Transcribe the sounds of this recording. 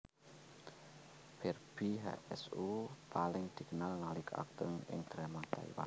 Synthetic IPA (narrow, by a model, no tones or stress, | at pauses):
b̥ɛrb̥iɦa̰ʔɛsupalɪŋd̪̥i̤kənalnalɪka̰k̚t̪əŋɪ̰ŋd̪̥əɾɛmat̪a̰ḭwa̰n